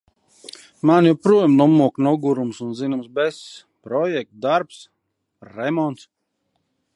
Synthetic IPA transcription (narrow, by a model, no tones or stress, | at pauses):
manjuwpɾuɔjmnɔmuɔknɔɡuɾumsunzinumsbɛs | pɾɔjɛk̚t̪̚d̪aɾps | ɾɛmɔnt̪s